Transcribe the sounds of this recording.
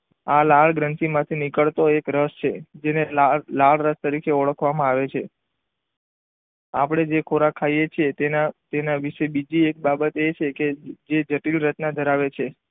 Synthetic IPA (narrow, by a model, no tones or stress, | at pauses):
alaɭɡɾənt̪imãt̪ʰinikəɭt̪oekɾəst͡ʃʰed͡ʒenelaɭɾəst̪əɾikeɔɭəkʰʋamãaʋet͡ʃʰe | apɽ̃ed͡ʒekʰoɾakʰajet͡ʃʰet̪enat̪enaʋiʃebid͡ʒiek̚babət̪et͡ʃʰeked͡ʒed͡ʒəʈilɾət̪nad̪ʱəɾaʋet͡ʃʰe